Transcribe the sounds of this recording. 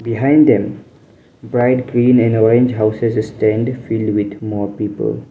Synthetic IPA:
biɦãɪ̃ndd̪ɛ̃m | bɾaɪʈɡɾĩːnɛ̃nɔɾẽnd͡ʒɦaʊsesstɛ̃nɖfilɖwit̪mɔːpiːpə̰l

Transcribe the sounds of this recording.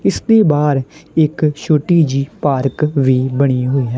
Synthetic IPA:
ɪsd̪eːbaːɾɪkʃoːʈiːd͡ʒiːpaːɾkʋiːbəɽ̃iːɦoːiːɦɛː

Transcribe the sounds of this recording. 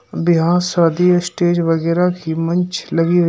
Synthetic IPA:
bɪɦãsaːd̪ijɐsʈeːd͡ʒʋɐɣɛːɾakʰimɐ̃ɲt͡ʃlɐɡi

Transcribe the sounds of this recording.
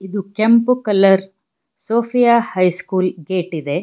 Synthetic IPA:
id̪ukempukɐlːɐɾ | soːfʰijaːhɐjskuːlɡeːʈid̪e

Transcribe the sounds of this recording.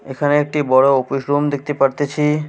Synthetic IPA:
ekʰaneek̚ʈibɔɽoofiʃɾumd̪ek̚ʰt̪epaɾt̪et͡ɕʰi

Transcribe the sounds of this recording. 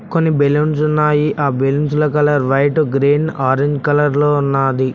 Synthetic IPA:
konːibelunsunːaːjiʔʔaːbelunsulɐkɐlɐɾʋɐjʈɡɾeːnaːɾeɲd͡ʒkɐlɐɾloːunːaːd̪i

